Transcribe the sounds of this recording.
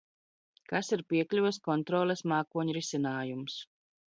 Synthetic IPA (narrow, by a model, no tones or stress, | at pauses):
kasiɾpiɛklʲuvskɔnt̪ɾɔːlˠɛsmaːkuɔɲɾisʲinaːjums